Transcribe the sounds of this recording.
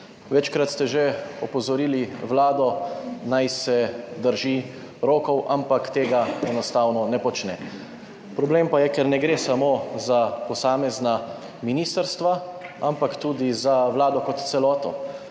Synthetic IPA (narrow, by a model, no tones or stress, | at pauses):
ʋɛt͡ʃkɾat̪st̪ɛʒeɔpɔzɔɾiːliwlaːd̪ɔnajsɛd̪əɾʒi | ɾoːkɔwʔampakt̪eːɡaɛnɔst̪awnɔnɛpɔt͡ʃnɛ̰ | pɾɔbleːmpajɛkɛɾnɛɡɾeːsamoːzapɔsaːmɛzna | minist̪əɾst̪ʋaampakt̪uːd̪izawlaːd̪ɔkɔt̪t̪sɛlɔːt̪ɔ̰